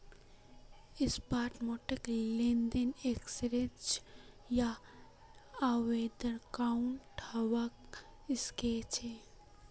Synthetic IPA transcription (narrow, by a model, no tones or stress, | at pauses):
ɪspaːʈmoʈeklend̪eneksɾed͡ʒ | ja | ʋed̪əɾkaʊɳʈʰawakɪsket͡ʃʰe